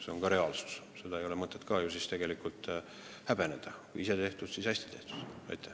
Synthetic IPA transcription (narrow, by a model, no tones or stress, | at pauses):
se̞o̞nkɑɾe̞ɑːlsu̥s | se̞d̪ɑejo̞lemɤt̪ːˑe̞t̪kɑːjusist̪e̞ɡ̥e̞likult̪ˑ | hæb̥e̞ned̪̥ɑkujise̞t̪e̞ht̪ud̪̥sisɑsʲt̪i̥t̪e̞ht̪u̥d̪̥ɑ̰jt̪ʰːˑæ